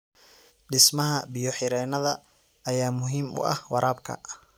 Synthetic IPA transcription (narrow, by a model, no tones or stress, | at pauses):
ɖɪsmɐɦɐbijɔħɪɾɛːnɐðɐː | jaːmʊɦiːmʊ̰ʔɐ̰hwɑɾʔaːbkʰɐ̰